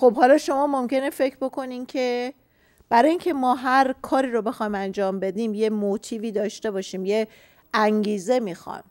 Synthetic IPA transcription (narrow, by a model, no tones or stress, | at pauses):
xobhɒːlɒːʃo̞mɒːmomce̞ne̞fe̞cʰɾbo̞kʰo̞niːmcʰe̞ | b̥æɾɒːjiːŋcʰe̞mɒːɦæɾkʰɒːɾiːɾobe̞xɒjmænd͡ʒɒːmbe̞d̪iːmje̞mot̪ʰiːviːd̪ɒːʃt̪e̞bɒːʃiːmje | ʔæŋɟiːze̞mixɒ̰jm